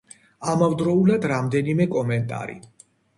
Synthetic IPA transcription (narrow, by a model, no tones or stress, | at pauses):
amavd̪ɾɔulad̪ɾamd̪ɛnimɛkʼɔmɛnt̪ʼa̰ɾḭ